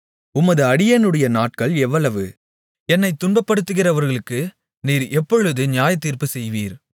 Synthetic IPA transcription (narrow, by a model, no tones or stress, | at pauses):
ʊmɐðɯɐɽɪjɐnɯɽɐjɐnaːʈ̚kɐɭɛʋːɐɭɐʋɯ | ɛnːɐɪt̪ːʊɳbɐpːɐɽɯt̪ːɯɣɪrɐʋɐɾɣɐɭɯkːɯ | niːɾɛpːɔɻɯðɯnɪjaːjɐt̪ːiːrpɯsɛjʋiːɾ